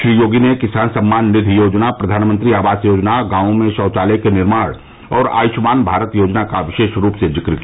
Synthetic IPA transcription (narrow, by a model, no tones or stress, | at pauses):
ʃɾijoːɡinekɪsaːnsɐ̃mːaːnːɪd̪ʱijoːd͡ʒnapɾɐd̪ʱaːnmə̃nt̪ɾiaːʋaːsjoːd͡ʒnaɡãːʊ̃mẽʃɔːt͡ʃaːlekenɪɾmaːɽ | ɔːɾa̰ːjʊʃmaːnbʱaːɾət̪joːd͡ʒnakaʋɪʃeːʃɾuːpsed͡ʒɪkɾki